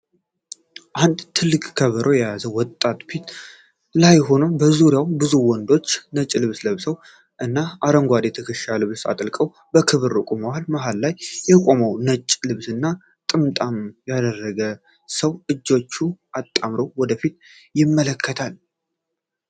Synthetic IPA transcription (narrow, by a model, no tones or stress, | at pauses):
ʔand̪t̪ʰɨlːɨkʼkʰəβəɾʔojɛjazəwɔt̪ʼːat̪fit̪ | lajɦo̞nəbəzuɾijawbɨzuwɔnd̪o̞t͡ʃːnət͡ʃʼːlɨβsləβsəw | ʔɨnːaʔaɾəŋɡʷad̪jɛt̪ʰəkʰəʃalɨβsa̰t̪ʼlkʼəw | bəkʰɨβɨɾɨkʼumaalmaɦalːajːɛkʼo̞məwnət͡ʃʼlɨβsɨnːa | t̪ʼɨmt̪ʼamjad̪ərːəɡə | səwɨd͡ʒːo̞t͡ʃːuʔat̪ʼːamɾowwɔd̪əfit̪ | jɪmːələkʰːət̪ʰal